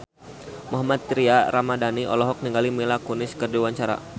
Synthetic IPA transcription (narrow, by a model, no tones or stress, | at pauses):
mɔɦamat̪̚ːɾiaɾamadaniʔɔ̰lɔɦɔk̚niŋɡalimilakunɪskərdiwaɲt͡ʃaɾa̰